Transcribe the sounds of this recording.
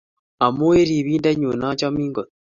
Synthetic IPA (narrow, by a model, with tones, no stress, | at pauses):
a˨mo˦we˦ɾi˨βiː˦nda˦ɲu˨na˦t͡ʃa˦miːŋɡo˨